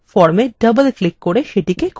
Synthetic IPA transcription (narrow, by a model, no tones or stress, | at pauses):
fɔɾmeɖɐbəlklɪkːoɽeʃeʈikek